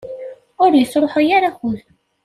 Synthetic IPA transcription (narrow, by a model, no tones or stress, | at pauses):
ʊɾjəsːɾˤoħajaɾaxʊð